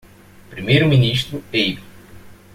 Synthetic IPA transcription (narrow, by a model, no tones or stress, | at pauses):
pɾimejɾʊmĩniʃt̪ɾʊejbu